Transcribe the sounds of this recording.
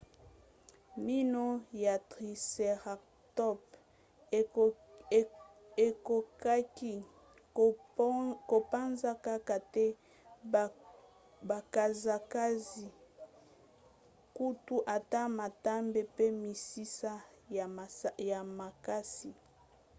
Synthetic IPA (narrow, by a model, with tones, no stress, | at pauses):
mi˦no˦ja˨tʁi˨se˨ʁa˨ | tɔ˦p | e˨ko˨˦k | ko˨pa˦nza˦ka˦ka˨tɛ˦ | ba˨ka˨za˨ka˦zi˨ | ku˦tu˦ʔa˨ta˦ma˨ta˦mbe˦pe˦mi˨si˦sa˦˨ | ja˨ma˨ka˦si˨